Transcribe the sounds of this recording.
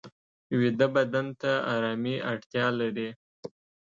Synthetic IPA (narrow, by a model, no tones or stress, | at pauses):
wid̪əbad̪ant̪aaɾɑmiaɽt̪jɑlaɾi